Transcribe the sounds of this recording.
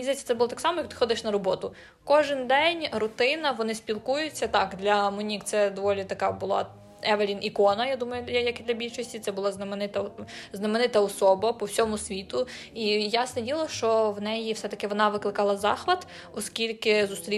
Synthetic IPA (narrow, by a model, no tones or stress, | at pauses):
izesʲɐt̪ɛbʊlˠɔt̪ɑksɑmɔjɐk̚t̪ɪ̥xɔd̪ɪʃnɐɾɔbɔt̪ʊ | kɔʒɪnd̪ɛnʲrʊt̪ɪnɐʋɔnɪspʲilˠkujʊt͡sʲːɐt̪ɑkd̪lʲɐmʊnʲikt̪sɛd̪ɔʋɔlʲit̪ɐkɑbʊlˠɑ̰ | ɛʋɐlʲinʔikɔnɐjad̪umɐjʊjjɐkid̪lʲɐbʲilʲʃɔsʲtʲit̪ɛbʊlˠɑznɐmenɪt̪ɐznɐmenɪt̪ɐɔsɔbɐpɔwsʲɔmʊsʲʋʲit̪ʊijasnɛdʲilˠɐʃt͡ʃɔwnɛjiwsɛt̪ɐkɪʋɔnɑʋɪklˠɪkɑlˠɐzɑxʋɐd̪ | ɔskʲilʲkɪzʊst̪ɾʲi